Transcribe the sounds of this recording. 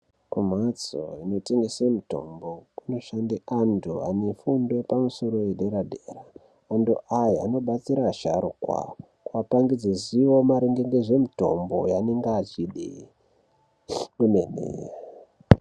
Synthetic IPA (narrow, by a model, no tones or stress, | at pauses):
kum̤at͡so̰ino̞te̞ŋɡesemito̞̰mbo̞kuno̞ʃandeʔandoa̰nefundwe̞pamuso̞ɾo̞jeɗeɾadʱeraː | ndoʔajiano̞ɓat͡siɾaʃaɾukwa̰ | kwapaŋɡid͡zeziwo̞maɾeŋɡeŋɡeʐe̞mito̞̰mbo̞janeŋɡaːt͡ʃiɗi | kunenḛe